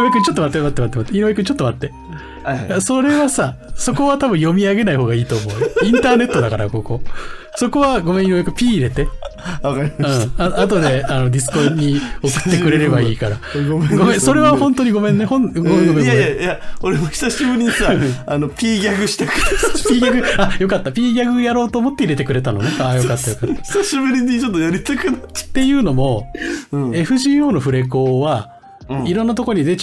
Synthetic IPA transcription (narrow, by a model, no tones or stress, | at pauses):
oekɯ̟ɲ̟t͡ɕo̞t̪ːomat̪ːemat̪ːemat̪ːemat̪ːeiɾoekɯ̟ɲt͡ɕo̞t̪ːomat̪ːe̞ | jasoɾe̞βasaso̞ko̞βat̪abɯ̟̃jo̞mʲiaɡe̞naiho̞ːɡaiːt̪o̞ːmo̞ɯĩnt̪aːne̞t̪ːod̪akaɾa̰ko̞ko̞so̞ko̞βaɡo̞mẽinojekɯ̟pʲiːɾe̞t̪e̞akaɾʲimɯ̃ːaat̪o̞d̪e̞ano̞d̪ʲis̬ɨ̥ko̞ɲ̟io̞kɯ̟̥t̪ːe̞kɯ̟ɾe̞ɾe̞baiːkaɾaɡomɡomẽso̞ɾe̞βahõ̞nt̪o̞ɲ̟iɡo̞mẽ̞nːehõnɡomeɡomenajajaoɾemoçi̥saɕibɯ̟ɾʲiɲisaanopʲiːɡʲaɡɯ̟ɕi̥t̪akaiːɡʲaɡɯ̟ajo̞kat̪ːapʲiːɡʲaɡɯ̟jaɾo̞ːt̪oːmo̞t̪ːeiɾe̞t̪ekɯ̟ɾe̞t̪ano̞̰neaːjo̞kat̪ːajokat̪ːçi̥saɕibɯ̟ɾʲiɲit͡ɕot̪ːojaɾʲit̪akɯnḁt̪ːe̞jɯ̟ːno̞mõ̞ | e̞ɸɯ̟ʑiːo̞ːno̞ɸɯ̟ɾe̞ko̞ːβa | iɾonːat̪o̞koɾoɲ̟id̪e̞t͡ɕ